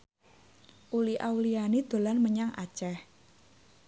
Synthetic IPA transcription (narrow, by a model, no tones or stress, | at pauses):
ʔuliʔawlianid̪̥o̤lanməɲaŋʔa̰t͡ʃɛh